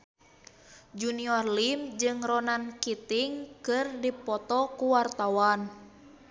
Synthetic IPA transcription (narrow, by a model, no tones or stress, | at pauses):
d͡ʒuniɔrlimd͡ʒɨŋrɔnankit̪iŋkɨrdipɔt̪ɔkuwart̪awan